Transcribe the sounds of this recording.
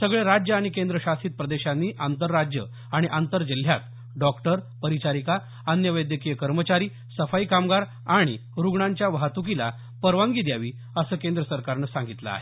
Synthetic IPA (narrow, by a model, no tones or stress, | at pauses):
səɡɭeɾad͡ʑjəaɽ̃ikend̪ɾəɕast̪iːt̪̚pɾəd̪eɕanːiːʔant̪əɾːad͡ʑjə̰ | aɽ̃iʔant̪əɾd͡ʑil̤jat̪ | ɖɔkʈəɾpəɾit͡ɕaɾika | ənjəʋəjd̪jəkijəkəɾmət͡ɕaɾiː | səfajikamɡaɾ | aɽ̃iɾuɡɳaɲt͡ɕjaʋəɦat̪uk̬ila̰ | pəɾʋaŋɡiːd̪jaʋiː | əsəːkẽnd̪ɾəsəɾkaɾnəsãŋɡit̪lə̰a̰ɦe